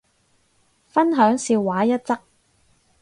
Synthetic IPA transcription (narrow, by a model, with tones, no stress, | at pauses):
fɐ˥nɦœː˨˥ŋsiː˧wːaː˨˥jɐ˥t̚t͡sɐ˥k̚